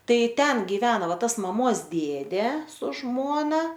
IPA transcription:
ˈtɐɪ ˈtʲɛn ɡʲɪˈʋʲæːnɐ ˈʋɐ ˈtɐs mɐˈmoːs ˈdʲeːdʲeː sʊ ˈʒmoːnɐ

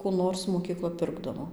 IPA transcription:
kuː ˈnoːrs moːkʲiːˈklˠɐ ˈpʲɪrɡdɐʋoː

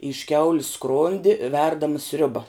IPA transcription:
ɪʃ ˈkʲɛʊlʲɪs ˈskroːnʲdʲɪ ˈʋʲɛrdɐmɐ ˈsʲrʲʊbɐ

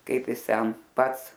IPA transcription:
ˈkɐɪp ˈjɪs ˈtʲɛn ˈpɐts

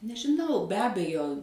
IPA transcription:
nʲɛʒʲɪˈnɐʊ bʲɛ ˈɑːbʲɛjoː

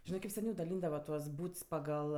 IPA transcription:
ˈʒʲɪnɜ kɐɪp sʲɛˈnʲɛʊ dɐˈlʲiːndɐʋɐ tuɔs ˈbuːts pɐˈɡɐlˠ

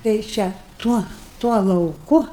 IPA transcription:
tʲɛɪ ˈt͡ʃʲɛ ˈtuɔ tuɔ lˠɐʊˈkʊ

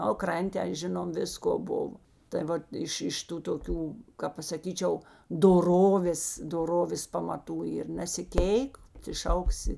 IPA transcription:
oː ˈkrɐnʲtʲ tʲɛn ˈʒʲɪnoːm ˈʋʲɪskoː ˈbʊʋoː tɐɪ ˈʋɐt ˈɪʃ ˈɪʃ ˈtuː toːˈkʲuː kɐp pɐsɐˈkʲiːt͡ʃʲɛʊ doːˈroːʋʲeːs doːˈroːʋʲeːs pɐmɐˈtuː ɪr nʲɛsʲɪˈkʲeːɪk tʲɪ ˈʃɐʊksʲɪ

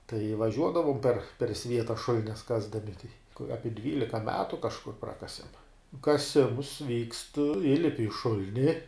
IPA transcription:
tɐɪ ʋɐˈʒʲuɔdɐʋoːm pʲɛr pʲɛr ˈsʲʋʲiɛtɐ ˈʃʊlʲɪnʲɛs ˈkɑːzdɐmʲɪ ˈɑːpʲɪ ˈdʲʋʲiːlʲɪkɐ ˈmʲæːtʊ kɐʃˈkʊr ˈprɑːkɐsʲɛm kɐˈsʲɪms ʋʲiːkst ˈiːlʲɪpʲɪ ɪ ˈʃʊlʲnʲɪ

